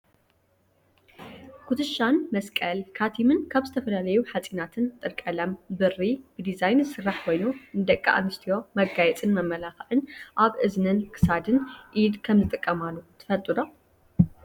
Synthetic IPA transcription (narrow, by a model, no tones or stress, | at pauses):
kʰut̪ʰɨʃanmɐskʼɐlkʰat̪ʰimɨnkʰaβzɨt̪ʰɐfɐlalɐjuħat͡sʼinat̪ʰɨnt̪ʼɨɾkʼɐlɐmbɨrːib̥ɨd̪izajnsɨrːaħkʰo̞jnunɨd̪ɐkʼːa̰ʔa̰mɨst̪ʰijo̞mɐɡajɛt͡sʼɨnmɐmːɐlaxɐʕɨnʔaβʔɨznɨnkʰɨ̥sad̪ɨnʔid̪kʰɐmzɨt̪ʼɨkʼːɐmalːut̪ʰɨ̥fɐlt̪ʼɨd̪o